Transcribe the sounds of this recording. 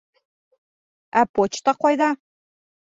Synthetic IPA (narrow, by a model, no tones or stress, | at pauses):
æpot͡ɕt̪ɑqɔjðɑ